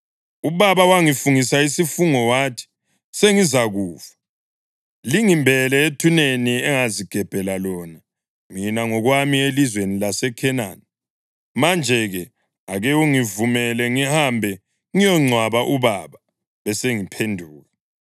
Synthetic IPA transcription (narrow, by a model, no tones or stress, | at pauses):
uβaβawaŋifuŋisaisifuŋɔwaːtʰi̥ | seŋizaɣuːfḁ | liŋimbʱɛlɛetʰuneniɛŋaziɡ̥ʱɛb̥ʱɛlalɔna | minaŋɔɣwamielizwenilasɛkʰɛna̰n | mand͡ʒʱɛɣɛ | aɣɛuŋivumɛlɛŋihambʱɛ | ŋijɔŋ͡ǀʱwaβaʔuβaβa | βɛseŋipʰendʱuːɣa